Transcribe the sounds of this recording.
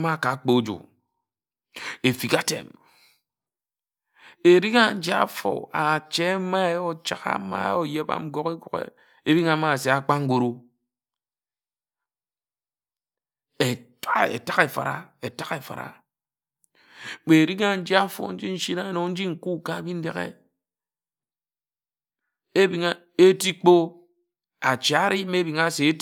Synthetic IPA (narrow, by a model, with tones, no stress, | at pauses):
ma˦˨ka˨˦k͡po˦d͡ʒo̰˨ | e˨fi˨ka˦tḛ˨m | e˨ɾi˦ŋa˦n̩˦d͡ʒi˦a̰˦fo̰˨a˨t͡ʃe˦ma˦o˦t͡ʃa̰˦ɣa̰˦ma̰˦o˦˨je˦ba̰˦m̩˦ɡo˦ke˦ɡu˨kḛ˨ | e˦bi˦ŋa˨˦ma˦˨se˨a˨k͡pa˦ŋ̩˦ɡʷo˦ɾu˦ | e˨ta˦ḛ˨ta˦ɣe˨fa̰˨ɾa̰˨e˨ta˦ke˨fa̰˨ɾa̰˨ | k͡pe˨ɾi˦ŋa˦n̩˦d͡ʒi˦a˦fo̰˨n̩˦d͡ʒi˦n̩˦ʃi˦na˦˨no˨˦n̩˦d͡ʒi˦ŋ̩˨ku˦ka˦˨bi˦n̩˦dḛ˦ɣḛ˦ | e˦bi˦ŋa˦ | e˦ti˦k͡po˦ | a˨t͡ʃa˦ɾi˦me˦bi˨ŋa˦˨se˨˦